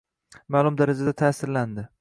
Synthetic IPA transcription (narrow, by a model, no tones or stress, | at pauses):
maːlˠʊmd̪aɾad͡ʒad̪at̪ʰaːsɪɾland̪ɪ